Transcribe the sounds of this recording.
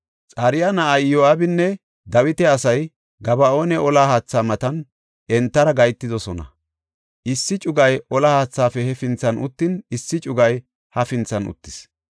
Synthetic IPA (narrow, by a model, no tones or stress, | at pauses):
t͡sʼɐɾɪjanɐʔɐjjoaːbɪnːɛ | d̪ɐwɪt̪ɛɐsɐj | ɡɐbɐo̞ːnɛʔɔlaːhaːt͡sːaːmɐt̪ɐn | ʔɛnt̪ːɐɾɐɡɐjt̪ːɪd̪ɔsɔnɐ̰ | ʔɪsːɪt͡ʃʼʊɡɐjɔlaːhaːt͡sːaːfɛhɛfɪnt͡sːɐnʊt̪ːɪnɪsːɪt͡ʃʼʊɡɐj | hɐfɪnt͡sːɐnʊ̰t̪ːɪ̥s